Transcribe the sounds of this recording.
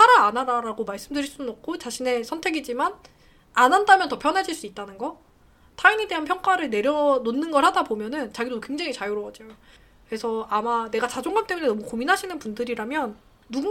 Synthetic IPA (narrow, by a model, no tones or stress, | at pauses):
saɾaːnaɾaɾaɡomaɭs͈ɯmdɯɾiɭs͈unʌk̚k͈ʰot͡ɕaɕʰine̞sʰʌntʰe̞ɡid͡ʑiman | anandamjʌntʌpʰjʌnɦad͡ʑiɭs͈uit̚t͈anɯnɡʌ | tʰaiɲide̞ɦanpʰjʌŋk͈aɾɯɭne̞ɾjʌnonːɯnɡʌɭhadabomjʌnɯnt͡ɕaɡidokwe̞ŋd͡ʑaŋit͡ɕajoɾoʌd͡ʑijo | kɯɾe̞sʰʌamane̞ɡat͡ɕad͡ʑoŋɡamt͈e̞mune̞nʌmukominɦaɕʰinɯnpundɯɾiɾamjʌnː | uɡ